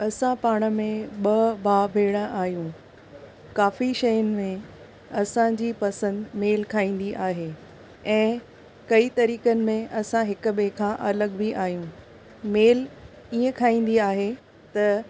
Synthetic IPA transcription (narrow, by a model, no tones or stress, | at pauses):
ɐsãpaːɽ̃ə̆mẽɓɐbaːbʱeːɽ̃ə̃ʔaːɦijũ | kaːfiʃɐjənɪ̆mẽ | ɐsãd͡ʑiːpɐsə̃nd̪meːlkʰaːĩːn̆d̪iʔaːɦe | ɛ̃ː | kɐit̪ɐɾiːkənɪ̆mẽʔɐsãɦɪk̆bẽkʰãʔɐləɡbʱiʔaːɦijũ | meːl | iːə̃kʰaːĩːn̆d̪iaːɦe | t̪ɐ